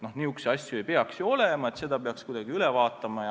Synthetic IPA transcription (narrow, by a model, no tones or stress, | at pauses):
no̞hniːuksɑsʲjuejpe̞ɑksjuo̞lemɑe̞t̪se̞d̪̥ɑpe̞ɑkskujd̪ɑɡ̥iylevɑːt̪ːˑɑmɑ